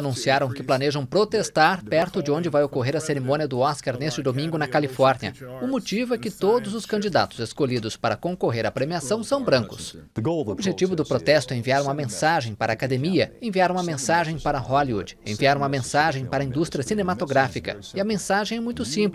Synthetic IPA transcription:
nũsiaɾɐ̃w̃kɪplaneʒɐ̃w̃pɾot̪est̪aɾpɛɾt̪ʊd͡ʒɪõd͡ʒɪvajokoɦeɾɐseɾemõniɐd̪ʊɔskaɾnest͡ʃɪd̪omĩŋɡʊnɐkalifɔɾniɐ̰ʊmot͡ʃivʊɛkɪt̪od̪ʊzʊskɐ̃nd͡ʒid̪a̰t̪ʊzeskoʎid̪ʊspaɾɐkõŋkoɦeɾɐpɾemiasɐ̃w̃sɐ̃w̃bɾɐ̃ŋkʊs | obɪʒet͡ʃivʊd̪ʊpɾot̪ɛst̪ʊɛẽviaɾũmɐmẽsaʒẽj̃paɾɐaːkad̪emiɐẽviaɾũmɐmẽsaʒẽj̃paɾɐhɔliṵd͡ʒḛ̃viaɾũmɐmẽsaʒẽj̃paɾɐĩd̪ust̪ɾʲiɐsinemat̪oɡɾafikɐ̰ | ɪɐmẽsaʒẽj̃ɛmũj̃t̪ʊsĩp

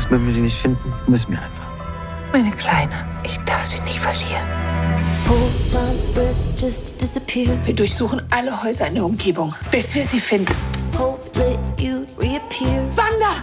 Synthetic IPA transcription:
smœn̩viːɐzinɪçtfɪndn̩mʏs̬n̩viːɐʔa̰ɪnfaχ | maɪnəkʰl̥aɪnə | ʔɪçd̥aɐfz̥iːnɪːtfɛɐliːʁən | hobanbɛθd͡ʒ̥ʌstd̥ɪsəpʰɪɹviːɐdʊɐçz̥uːχn̩ʔaləhɔʏzɐɪndɛɐʊmɡeːbʊŋb̥ɪsv̥iːɐziːfɪndn̩hoʊplɛt͡ʃuɹiəpʰɪɹvandɐ

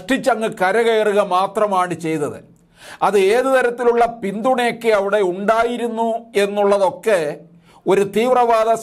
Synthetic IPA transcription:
ʂʈit͡ɕːɐŋːɨkɐɾɐɣɐjɐruɣɐmaːt̪rɐmaːɳɨt͡ɕe̞jnːɐðɨ̰ | ɐðɨe̞ːðɨt̪ɐɾɐt̪ːiluɭːɐpind̪uɳɐjokːeɐʋiɽe̞uɳɖaːjiɾunːue̞nːuɭːɐðo̞kːe̞ | o̞ɾut̪iːʋrɐʋaːðɐ

